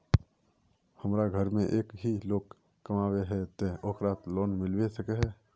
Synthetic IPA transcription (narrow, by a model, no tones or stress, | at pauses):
həmɾaɡʱəɾmẽʔeːkɦiloːɡː | əmaːweɦɛt̪eoːkɾaːt̪loːnmɪlwesəkeɦɛː